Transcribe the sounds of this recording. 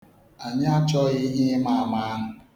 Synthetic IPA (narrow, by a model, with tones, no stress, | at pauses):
a˨ɲa˦a˦t͡ʃɔ˦ɣi˦ɦi˦ma˦a˨ma˦a˦ɦʊ˨